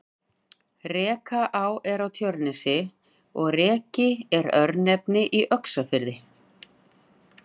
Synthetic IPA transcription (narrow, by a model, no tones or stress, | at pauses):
rɛːkaʔawɛɾawt̪ʰjœɾnɛsɪ | ɔɣrɛːcɪɛɾœɾnɛpnɪʔiʔœksafɪɾðɪ